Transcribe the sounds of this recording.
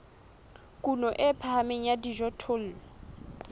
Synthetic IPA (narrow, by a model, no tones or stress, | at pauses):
kʼunɔʔɪpʰahameŋ̩jadiʒɔtʰʊl̩